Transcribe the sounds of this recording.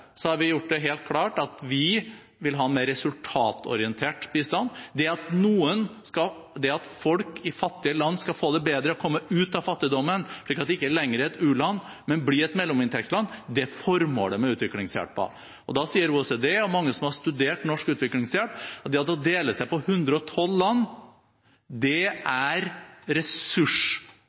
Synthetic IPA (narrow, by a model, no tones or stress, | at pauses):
sɔhɑɾʋɪjʊʈ̚ːd̪ɛɦeːlt̪̚kʰlɑːʈɑt̪ʋɪ | ʋɪlɦɑːɛnmeːɾɛsʉlt̪ʰɑːt̪ʰɔ̰ɾɪənt̪ʰeːʈbist̪ɑnːd̪ɛɑt̪nuːənskɑ | d̪ɛɑt̪fɔlkɪfɑt̪ːɪəlɑnːskɑfoːd̪ɛbeːd̪ɾəɔkʰɔmːəʉːt̪ɑfɑt̪ːɪd̪ɔmːənʂɭiːkɑt̪d̪ɛɪkːəæɭɛŋːɾəɛt̪ʉːlɑnː | mɛnblɪɾɛt̪mɛlːɔmɪnt̪ɛkslɑnːd̪ɛfɔɾmo̰ːɖɛmɛʉːt̪ʋɪklɪŋsjæ̰ʈ̚pʰɔ̰ | ɔd̪ɑsiːəɾuːɛsed̪eɔmɑŋːəsɔmhɑʂt̪ʉd̪eːʈnɔʂkʉːt̪ʋɪklɪŋsjæʈɔt̪d̪ɛɑt̪d̪ɛɔd̪eːləsæɪpɔhʉnd̪ɾəɔt̪ʰɔlːɑnː | d̪ɛæɾɾɛsʉʂ